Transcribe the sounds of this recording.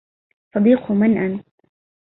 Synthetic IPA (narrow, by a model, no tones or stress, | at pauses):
sˤɑd̪iːqʊmanʔan